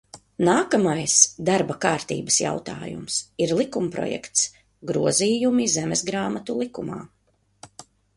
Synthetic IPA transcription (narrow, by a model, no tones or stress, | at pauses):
naːkamajsd̪aɾbakaːɾt̪ḭːbəsja̰wt̪a̰ːjṵmsiɾlˠikumpɾɔ̰jɛ̰kt̪s | ɡɾuɔziːjumizɛmezɡɾaːmat̪ulˠikuma̰ː